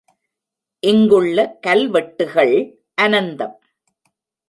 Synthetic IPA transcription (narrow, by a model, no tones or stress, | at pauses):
ʔɪŋɡɯɭːɐkɐlʋɛʈːɯɣɐɭ | ʔɐnɐnd̪ɐm